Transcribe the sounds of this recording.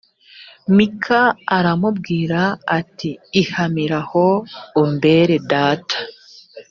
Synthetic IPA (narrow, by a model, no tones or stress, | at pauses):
mikʰaːɾamubɡiːɾaːtiːhamiɾaho̞umbe̞ɾe̞daːtʰḁ